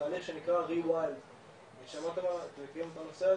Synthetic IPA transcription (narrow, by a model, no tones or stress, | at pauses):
aːliχʃe̞nikʁaʁiwal | veʃamat̪emat̪emekajemot̪anosea